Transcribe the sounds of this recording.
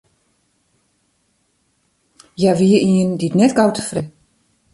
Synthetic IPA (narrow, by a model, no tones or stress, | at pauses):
jaʋiəiənditnɛtɡawtʰə̥frɛ